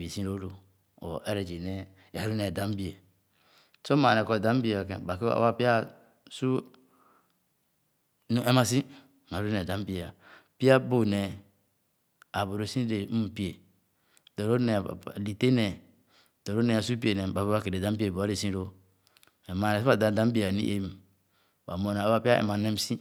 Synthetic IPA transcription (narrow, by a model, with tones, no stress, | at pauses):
bi˨sĩ˦ɾo˦ɾo˨ | o̰˨ʔe˦ɾe˨d͡ʒi˨ne˦ | a˨ɾu˦ne˨da˨˦m˦bi˦e˨ | so˦ma˨ne˨ko˨dã˨˦m˦bi˦e˨o˨kḛ˨ba˨ke˦a̰˨˦wa˦pi˦a˦ | su˦ | nu˦e˦ma˨sĩ˦˨ | m˨a˨ɾu˦ne˨da˨˦m˦bi˦e˨a˨pi˦a˦bo˦ne˨ | a˨bo˨ɾo˨˦sĩ˦ɾe˨u˦˨pi˦e˨ | do˨ɾo˦nɛ̰˨li˨te˦nɛ˨ | do˨ɾo˦ne˦a˨su˦pi˦e˨nɛ˨ba˨bo˦a˦ke˨ɾe˨da˨˦m˦bi˦e˨bɾe˨sĩ˦ɾo˦ | e˨ma˨ne˨so˦a˨da˨da˨˦m˦bi˦˨a˨nḭ˦ʔe˦m˨ | ba˨mo˨na˨ba˦pi˦a˦ḛ˨ma˨ne˦m˦sĩ˦